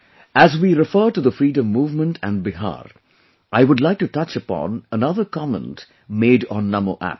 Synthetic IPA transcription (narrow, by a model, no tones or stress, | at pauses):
ʔæzwiɾɪfəːʈuðəfɾiːdə̃mːuːvmə̃nʈʰæ̃nbɪɦa̰ːɾ | ʔaɪwʊdlaɪk̚ʈutʌt͡ʃəpɔ̰̃nənʌðəɾkɑmə̰̃nt | meɪɖɔ̃nːʌmoʔæ̰p̚